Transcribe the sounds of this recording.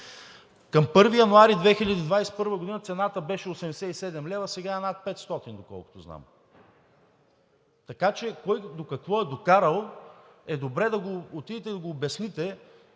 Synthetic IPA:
kɐmpɤɾvijɐnoaɾid̪vɛxiʎʲɐd̪iːd̪vajsɛ̥pɤɾvəɡod̪inət̪sɛnat̪əbɛʃɛosɛmd̪ɛsɛisɛd̪ɛmlɛvɐsɛɡaɛnat̪̚pɛt̪st̪ɔt̪ind̪okɔ̰lˠkʊ̥t̪ozna̰m | t̪ɐkat͡ʃɛkɔjd̪okɐkvɔɛd̪okaɾəlˠ | ɛd̪obɾɛd̪ɐɡoːt̪id̪it̪ɛid̪ɐɡoːbɐsnit̪ɛ

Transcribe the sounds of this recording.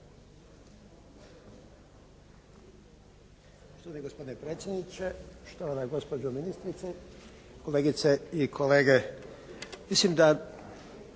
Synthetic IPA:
t̪oaniɡospo̞d̪inepɾe̞ːt̪sʲje̞d̪nit͡ʃe̞ʃt̪oʋanaɡo̞spo̞d͡ʒominist̪ɾit̪se | ko̞leːɡit̪seikʰo̞leːɡe̞ | mislimd̪a

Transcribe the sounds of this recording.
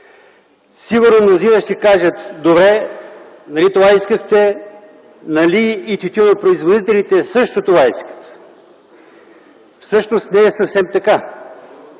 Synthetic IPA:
siɡuɾnonozinɐʃt̪ɛkaʒət̪d̪obɾɛ | nɐlit̪ovaiskəxt̪ɛ | nɐliːt̪ʲut̪ʲunɐpɾoizvod̪it̪ɛlit̪ɛsɤʃt̪ot̪ovaiskə̥t̪ | fsɤʃnost̪nɛːsəfsɛmt̪ɐka

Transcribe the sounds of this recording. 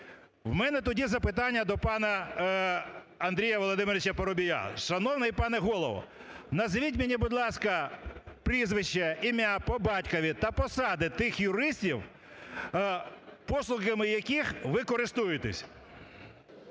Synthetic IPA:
wmɛnɛt̪ɔdʲizɐpɪt̪ɑnʲːɐd̪ɔpɑnɐ | ɐnd̪ɾʲijɐʋɔlˠɔd̪ɪmeɾʲɪt͡ʃɐpɐɾɔbʲija̰ʃɐnɔwnɐjipɑnɛɦɔlˠɔʋɔ̰ | nɐzʋʲit̬ʲmʲɪnʲibʊd̪lˠɑskɐpɾʲizʋɪʃt͡ʃɐimʲapɔbɑtʲkɔʋʲit̪ɐpɔsɑd̪ɪt̪ɪxjʊɾɪsʲtʲiw | pɔslˠʊɣɐmɪjɐkʲixʋɪkɔɾɪst̪ujet̪ɛ̰sʲ

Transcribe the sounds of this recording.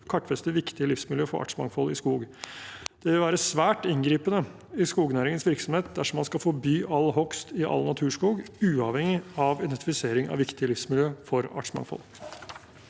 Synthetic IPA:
kʰɑʈːfɛst̪əʋɪkt̪ɪəlɪfsmɪljøːfɔɾɑ̰ːʈʂmɑ̰ŋfɔlɪskuːɡ | d̪̥ɛʋɪlʋæːɾəsʋæːʈɪŋɡɾiːpənə | ɪskuːɡnæːɾɪŋənsʋɪɾksɔmheːt̪̚d̪æʂɔmɑnskɑfɔɾbyːʔɑlːɦɔkst̪ɪʔɑ̰lːnɑt̪ʰʉːʂkuːɡʉːɑʋhɛŋɪɑʋɪd̪ɛnt̪ɪfɪseːɾɪŋɑ̰ʋɪkt̪ɪəlɪfsmɪljøːfɔɾɑ̰ʈʂmɑ̰ŋfɔ̰l

